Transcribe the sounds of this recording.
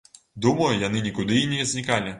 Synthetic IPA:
d̪umɐjujanɨnʲikud̪ɨinʲijɛzʲnʲikalʲi

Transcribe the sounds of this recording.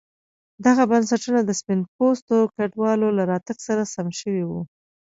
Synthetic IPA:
d̪aɣabansaʈunad̪əspɪnpost̪okaɖwɑlolaɾɑt̪aɡsaɾasamʃəwiwu

